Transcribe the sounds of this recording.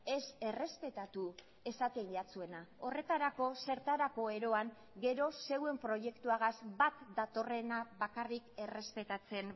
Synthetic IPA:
e̞se̞re̞spe̞t̪at̪u | e̞sat̪enʎat͡sue̞nao̞re̞t̪aɾako̞se̞ɾt̪aɾako̞e̞ɾo̞aŋ | ɡe̞ɾo̞se̞we̞mpɾo̞ʝe̞kt̪uaɣazbat̪d̪at̪o̞re̞naβakarike̞re̞spe̞t̪at͡se̞n

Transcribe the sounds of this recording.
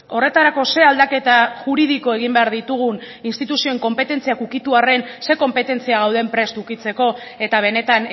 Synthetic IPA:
o̞re̞t̪aɾako̞se̞ald̪ake̞t̪aʝuɾiðiko̞e̞ɣimbe̞aɾðit̪uɣ̞un | inst̪it̪usio̞eŋko̞mpe̞t̪e̞nt͡siakukit̪uare̞nse̞ko̞mpe̞t̪e̞nt͡siaɣ̞awðe̞mpɾe̞st̪ukit͡se̞ko̞ | e̞t̪aβ̞e̞ne̞t̪an

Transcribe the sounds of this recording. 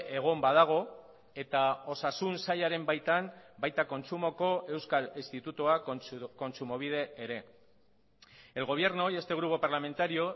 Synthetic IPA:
e̞ɣ̞o̞mbað̞aɣ̞o̞ | e̞t̪ao̞sasunsaʎaɾe̞mbajt̪ambajt̪ako̞nt͡sumo̞ko̞e̞wskalist̪it̪ut̪uako̞nt͡sumo̞β̞iðe̞ːɾe̞ | e̞lɣo̞β̞je̞ɾno̞je̞st̪e̞ɣ̞ɾupo̞paɾlame̞nt̪aɾio̞

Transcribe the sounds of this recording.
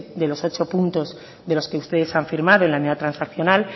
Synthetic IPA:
d̪e̞lo̞so̞t͡ʃo̞punt̪o̞z | ðelo̞ske̞ust̪e̞ðe̞saɱfiɾmaðoelaniðat̪ɾansakθjo̞nal

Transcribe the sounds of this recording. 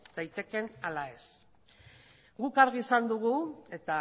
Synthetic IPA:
d̪̥ajt̪e̞ke̞nalae̞s | ɡukaɾɣiːsand̪uɣ̞ue̞t̪a

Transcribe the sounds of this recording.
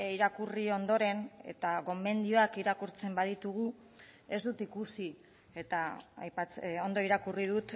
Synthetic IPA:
iɾakurio̞nd̪o̞ɾe̞ne̞̰t̪aɣo̞me̞nd̪ioakiɾakuɾt͡se̞mbað̞it̪uɣu | e̞zd̪ut̪ikusi | et̪aa̰jpat͡so̞nd̪o̞iɾakuriðut̪

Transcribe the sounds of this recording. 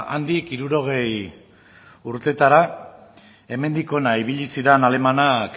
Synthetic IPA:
and̪ikiɾuɾo̞ɣ̞e̞j | uɾt̪e̞t̪aɾa | e̞me̞nd̪iko̞naiβiʎisiɾenale̞manak

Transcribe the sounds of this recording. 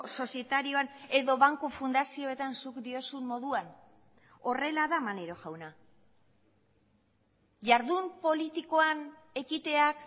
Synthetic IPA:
so̞sie̞t̪aɾio̞ane̞ðo̞βaŋkufund̪asio̞e̞t̪ansukd̪io̞sumːo̞ðuan | o̞re̞laðamane̞ɾo̞ʝawna | ʝaɾðumpo̞lit̪iko̞an | e̞kit̪e̞ak

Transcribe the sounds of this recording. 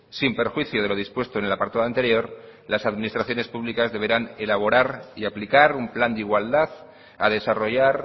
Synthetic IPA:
simpe̞ɾxwiθjoðe̞lo̞ð̞ispwe̞st̪onelapaɾt̪aðoant̪e̞ɾjo̞ɾlasaðminist̪ɾaθjo̞ne̞spuβlikazðe̞β̞e̞ɾane̞laβ̞o̞ɾaɾiaplikaɾumpland̪iɣwald̪að | aðe̞saro̞ʝaɾ

